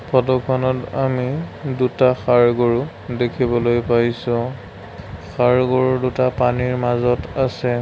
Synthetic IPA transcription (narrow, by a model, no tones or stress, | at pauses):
pʰɔdɔkʰɔnɔta̰midutaxaɹɡoɹu | dekʰibɔlojpajsʊ̃ | xaɹɡoɹudutapaniɹmazɔtasɛ